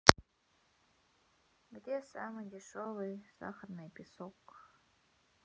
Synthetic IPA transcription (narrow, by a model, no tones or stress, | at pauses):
ɡd̪ʲesamɨjdʲɪʂovˠɨjz̥a̰χərnɨjpʰʲɪsok